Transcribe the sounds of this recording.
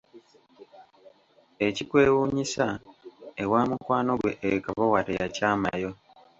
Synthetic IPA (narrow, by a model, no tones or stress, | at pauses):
e̞cikweːwuːɲisa | ewaːmukwaːno̞ɡwe̞ʔkaβowatejacaːmajo̞